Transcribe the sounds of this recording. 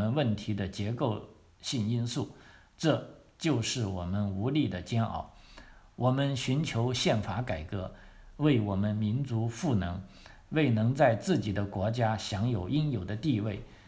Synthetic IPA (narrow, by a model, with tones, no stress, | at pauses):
ə˦nwə˥˩nt̪ʰi˧˥d̪ə˧t͡ɕjɛ˧˥ko˥˧ʊ | ɕi˥˩ŋi˥nsu˥˩ | ʈ͡ʂɤ˥˩˧ | t͡ɕjo˥˧ʊʂɻ̩˥˩wɔ˨˩mə˦nu˧˥li˥˩d̪ə˩t͡ɕjɛ˥nɑ̰˥˩ʊwʔɔ˨˩mə˦nɕy˧˥nt͡ɕʰjo˧˥ʊɕjɛ˥˩nfa˧˥ka˨˩ɪkɤ˧˥ | we˥˩ɪwɔ˨˩mə˦nmi˧˥nt͡su˧˥fu˥˩nɤ˧˥ŋ | we˥˩ɪnɤ˧˥ŋt͡sa˥˧ɪt͡sɹ̩˥˩t͡ɕi˨˩d̪ə˦kwɔ˧˥t͡ɕja˥ɕjɑ˧˥ŋjo˨˩ʊʔi˥njo˨˩ʊd̪ə˦t̪i˥˧we˥˩ɪ